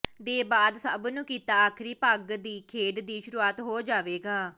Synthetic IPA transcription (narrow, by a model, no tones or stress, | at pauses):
d̪eːbaːd̪səbnũːkiːt̪aːaːkʰɾiːpəɡd̪iːkʰeːɖd̪iːʃʊɾuːaːt̪ɦoːd͡ʒaːʋeːɡaː